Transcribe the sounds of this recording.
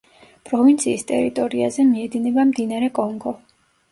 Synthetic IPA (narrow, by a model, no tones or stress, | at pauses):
pʼɾɔvint̪sʰiːst̪ʼɛ̰ɾit̪ʼɔɾiazɛmiɛd̪inɛbamd̪inaɾɛkʼɔŋɡɔ